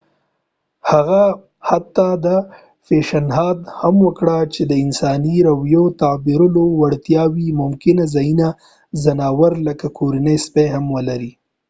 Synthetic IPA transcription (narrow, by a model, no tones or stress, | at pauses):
haɣa | hat̪ːɑd̪ə | feʃanɦɑd̪hamwəkɽat͡ʃed̪əɪnsɑniɾawjot̪abiɾʊlowaɽt̪jɑwimʊmkɪnazajina | zanɑwaɾləkakʰoɾanəjspeɦamwəlaɾi